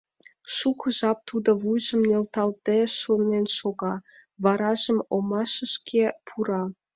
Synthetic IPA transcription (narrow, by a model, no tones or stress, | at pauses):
ʃukə̆ʒɑp̚t̪ud̪ŏβujʒəmnelt̪ɑlt̪eʃunenʃoɣɑ | βɑɾɑʒəmomɑʃə̆ʃkʰepʰuɾɑ